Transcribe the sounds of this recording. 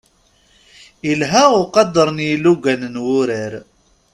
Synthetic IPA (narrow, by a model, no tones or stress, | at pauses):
ilɦæʊqɑd̪əɾˤnjiluɡænnwʊɾəɾ